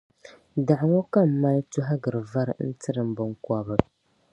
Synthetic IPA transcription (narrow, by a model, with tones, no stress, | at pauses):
da˨ʔŋo˦ka˦m̩ː˦a˦ltu˦ɦa˦ɡɨ˨ɾɨ˨va˦ɾn̩˦tɨ˦ɾɨ˨m̩˦bɨ˨ŋka˦bɨ˦